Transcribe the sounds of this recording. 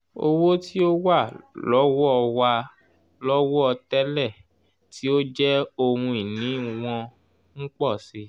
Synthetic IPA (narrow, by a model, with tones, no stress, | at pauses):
o̰˧wo˦ti˦o˦wa˦˨lɔ˨˦wɔ˦ɔ˧wa˧ | lɔ˦wɔ˦ɔ˧tɛ˦lɛ˦˨ | ti˦o˦d͡ʒɛ˦o˧ɾũ˧i˨nĩ˨˦w̃ɔ̃˧ | ŋ̩˦k͡pɔ˦˨si˧